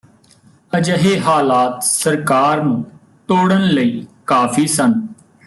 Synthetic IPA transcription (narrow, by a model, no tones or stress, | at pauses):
əd͡ʒəɦeːɦaːlaːt̪səɾkaːɾnũː | ʈ̪oːɽənləiːkaːpʰiːsən